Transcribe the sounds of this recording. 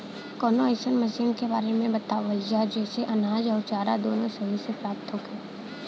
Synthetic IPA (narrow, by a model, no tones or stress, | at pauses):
kɔːnoeːsənmɐʃiːnkebaːɾemẽbɐt̪aːʋəjad͡ʒɛːseʔɐnaːd͡ʒɔːɾt͡ʃaːɾad̪oːnõsɐɦisepɾaːp̚t̪ɦoːɡɛː